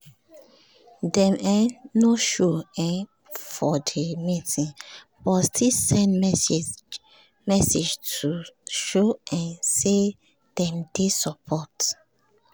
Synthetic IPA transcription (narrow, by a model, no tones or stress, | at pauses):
dɛ̃mɛnoʃoɛ̃n | fɔdemitĩŋ | b̥ɔtstʰisɛ̃ndmɛs | mɛsed͡ʒtuʃoɛ̃nse | d̥ɛ̃md̥esɔpʰɔt